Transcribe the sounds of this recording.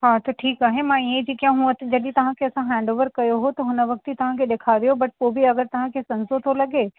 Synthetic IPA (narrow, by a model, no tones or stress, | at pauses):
ɦãt̪oʈʰiːkaːɦemãjed͡ʒikjãɦuə̃t̪d͡ʒɐdit̪ɐɦãkeɐsãɦɛ̃ːɳɖoːʋəɾkɐjoɦot̪oɦʊnəʋɐk̚t̪it̪ɐɦãked̪eːkʰaːɾijobɐʈ̚pobʱiɐɡəɾt̪ɐɦãkesɐ̃nsot̪ʰolɐɡeː